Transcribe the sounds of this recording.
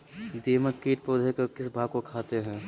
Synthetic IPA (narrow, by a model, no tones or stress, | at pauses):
d̪eːməkkiːʈ̚poːd̪ʱekokɪsbʱaːɡ̚kokʰaːt̪eɦɛ̃ː